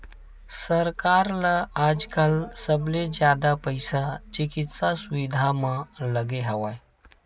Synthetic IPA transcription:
səɾkaɾlaaːd͡ʒkəlsəbled͡ʒjaːd̪apəjsat͡ʃikit̪sasuʋid̪ʱamələɡeɦəʋaj

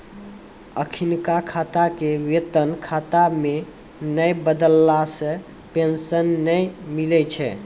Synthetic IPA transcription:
əkʰinkakʰat̪akewet̪ənkʰat̪ame | nəjbəd̪əlːasə̃ | pensənːəjmilɛt͡ʃʰɛ̰

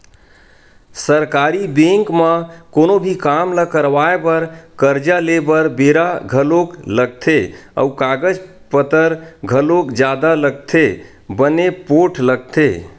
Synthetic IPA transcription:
səɾkaɾibẽŋkməkonobʱikamləkəɾʋaebəɾkəɾd͡ʒalebəɾbeɾaɡʱəlokləɡ̚t̪ʰeə̰ukaɡəd͡ʒ | pət̪əɾɡʱəlokd͡ʒad̪aləɡ̚t̪ʰe | bənepoʈʰləɡ̚t̪ʰe

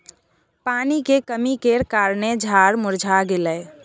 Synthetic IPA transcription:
paːnikekəmikeɾkaːɾned͡ʒʱaːɾmʊɾd͡ʒʱaɡelə

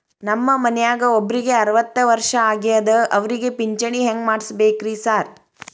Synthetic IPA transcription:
nɐmːɐmɐnɛjaːɡɐobːɐɾiɡe̞ɐɾɐʋɐt̪ːɐʋɐɾʂɐaːɡijɐd̪ɐʔɐʋɐɾiɡepiɲt͡ʃɐɳiɦeŋɡmaːɽsbeːkɾisaːɾ

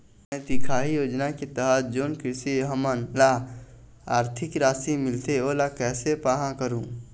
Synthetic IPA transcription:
mɛ̃ːt̪ikʰaːɦijoːd͡ʒnaket̪əɦət̪̚ʰd͡ʒoːnkɾɪʃiɦəmənla | aːɾt̪ʰɪkɾaːsimɪlt̪eoːlakɛːsepaːɦãkəɾũː

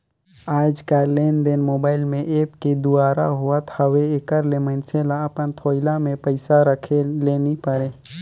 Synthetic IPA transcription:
aːd͡ʒkaɾleːnd̪enmoːbaːɪlmẽʔeːpked̪uaːɾa̰ɦuat̪ʰəweekəɾlemənselaəpənt̪ʰoːɪlamẽpəɪsaɾəkʰeleːnipəɾeː

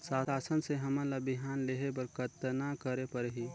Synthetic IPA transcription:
saːaːsənseɦɐmãlabɪɦaːnleɦepɐɾkət̪nakəɾepɐɾɦi

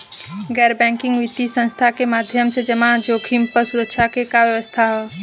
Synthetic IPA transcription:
ɡɛːɾbɛ̃ːŋkɪ̃ŋɡʋɪt̪isə̃nst̪ʰakemaːd̪ʱjəmsed͡ʒəmãd͡ʒoːkʰimpəɾsʊɾəkʃʰakekaʋjəʋəst̪ʰaɦɛː

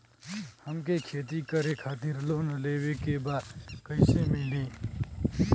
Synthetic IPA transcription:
həmkekʰeːt̪ikəɾekʰaːt̪iɾlonəlebekebakəɪsemili

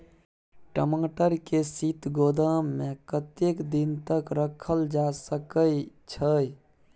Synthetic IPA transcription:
ʈəmãʈəɾkesit̪ɡod̪əmːekət̪ekd̪int̪əkɾəkʰəld͡ʒasəkəjt͡ʃʰəj

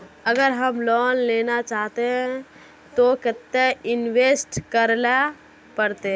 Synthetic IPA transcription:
əɡəɾɦəmlɔnlenat͡ʃaɦt̪eɦɛ̃ | t̪oket̪ːeinʋesʈkəɾla | pəɾt̪e

